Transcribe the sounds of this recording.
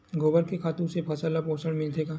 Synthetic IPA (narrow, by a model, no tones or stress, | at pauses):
ɡoːbəɾkekʰaːt̪ũsepʰɐsalapoːsəɽ̃mɪld̪eːɡaː